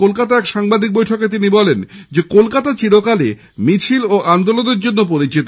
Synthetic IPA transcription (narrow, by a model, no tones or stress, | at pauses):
kolkat̪aɛkʃaŋbad̪ik̚bojʈʰoket̪̬inibɔlend͡ʑekolkat̪at͡ɕiɾokale | mit͡ɕʰiloʔand̪oloneɾd͡ʑonːop̬oɾit͡ɕit̪o